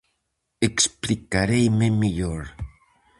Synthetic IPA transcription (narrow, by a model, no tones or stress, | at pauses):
eksplikaɾejmemiʎoɾ